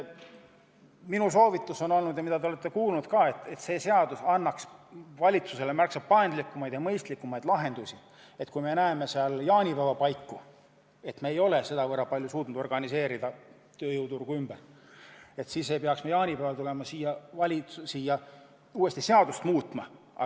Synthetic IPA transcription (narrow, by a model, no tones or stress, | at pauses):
minuso̞ːvit̪ːˑuso̞no̞lnud̪jɑmid̪̥ɑt̪eole̞t̪ːˑe̞kuːlnud̪̥kɑːe̞t̪ːˑe̞t̪se̞ːse̞ɑd̪usɑnːɑksvɑlʲit̪suse̞lemærksɑb̚pɑend̪likːˑumɑjd̪jɑmɤjst̪likːˑumɑjd̪̥lɑɦe̞nd̪̥usi | e̞t̪kujme̞næeme̞seɑljɑːnʲipævɑpɑjkːu | e̞t̪meːjo̞lese̞d̪ɑvɤɾɑpɑlʲjusuːt̪ˑnud̪o̞rɡ̥ɑnise̞ːɾid̪̥ɑ | t̪øːjowt̪urɡ̥uymb̥ær | e̞t̪siːsejpeɑksmejɑːnʲipævɑlt̪ule̞mɑsiːjɑvɑlʲiusijɑ | uːe̞st̪ise̞ɑd̪̥ust̪muːt̪ˑmɑ | ɑ̰